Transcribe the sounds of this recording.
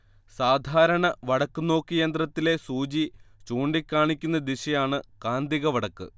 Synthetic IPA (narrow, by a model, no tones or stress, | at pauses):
saːd̪ʱaːɾɐɳɐʋɐɽɐkːɨno̞ːkːijɐnd̪rɐt̪ːile̞suːd͡ʑit͡ɕuːɳɖikʲːaːɳikʲːunːɐd̪iɕɐjaːɳɨkaːnd̪iɣɐʋɐɽɐkːɨ̰